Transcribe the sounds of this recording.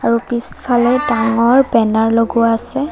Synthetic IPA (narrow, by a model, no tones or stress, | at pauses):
aɹupispʰalɛdaŋɔɹbɛnaɹloɡuaasɛ